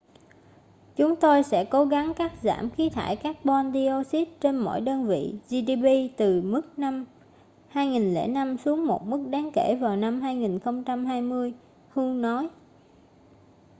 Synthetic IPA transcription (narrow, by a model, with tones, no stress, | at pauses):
t͡ɕʊ˨˦ŋ͡mt̪o˧jsɛ̰˧˥ko˨˦ɣa˨˦ŋkaː˦˥k̚za̰ː˧˩mxi˨˦t̪ʰaː˧˩jkaː˦˥k̚ɓɔ˧nɗi˧o˧si˦˥t̚t͡ɕe˧nmɔ̰˧˨jɗəː˧nvḭ˧˨zi˧ɗi˧ɓi˧t̪ɨ˨˩mɨ˦˥k̚na˧m | haː˧jŋi˨˩nlḛ˧˥˩na˧msu˨˦əŋmo˨˩t̚mɨ˦˥k̚ɗaː˨˦ŋke˧˩vaː˨˩wna˧mhɦaː˧jŋi˨˩nxə˧wŋ͡mt͡ɕa˧mɦaː˧jmɨ˧əj | hu˧nɔ˨˦j